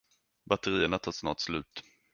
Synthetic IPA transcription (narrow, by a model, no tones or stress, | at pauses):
bat̪əɾiːəɳat̪ʰɑːsnɑ̰ːʈslʉ̟ːt̪